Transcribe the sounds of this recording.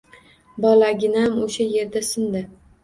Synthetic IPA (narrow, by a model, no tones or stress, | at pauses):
bɒlaɡʲɪnaamoʃaje̞ɾd̪asɪnd̪ɪ